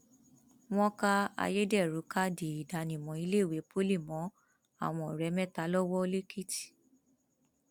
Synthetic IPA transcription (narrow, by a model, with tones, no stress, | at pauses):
w̃ɔ̃˦ka˦a̰˧je˦dɛ˦˨ɾu˨˦ka˦di˨i˨da˨nĩ˨mɔ̃˨i˧le˦˨we˨˦po˦li˦˨mɔ̃˨˦ | a̰˦˨w̃ɔ̃˧˨ɾɛ˨˦mɛ̃˦˨ta˨˦lɔ˦wɔ˦o˧le˦ki˦ti̥˨